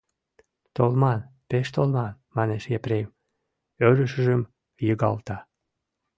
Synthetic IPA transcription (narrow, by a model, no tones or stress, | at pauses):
t̪olmɑnpeʃt̪olmɑnmɑneʃjepɾejm | øɾəʃə̆ʒəm | jəɣɑlt̪ɑ